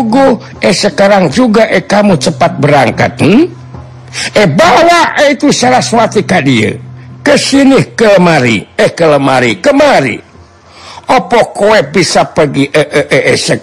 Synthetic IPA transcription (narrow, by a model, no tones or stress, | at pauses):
ɡu | ehsəkaɾaŋd͡ʒuɡaʔekamut͡ʃəpat̪̚bəɾaŋka̰t̪̚nə | ʔehbawaʔeit̪usaɾaswat̪ikadiə̰kəsinɪhkələmaɾḭəhkələmaɾikəmaɾḭ | ʔɔpɔkoɛbisapəɡiʔəʔəʔəʔesə